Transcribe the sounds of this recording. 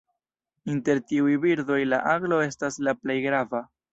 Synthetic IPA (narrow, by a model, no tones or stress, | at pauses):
inte̞ɾtiujbiɾdo̞jla̰ʔaɡlo̞e̞staslaple̞jɡɾava